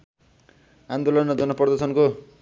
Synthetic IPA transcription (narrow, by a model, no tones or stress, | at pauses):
ãnd̪olʌnd͡zʌnʌpʌrd̪ʌsʰʌnko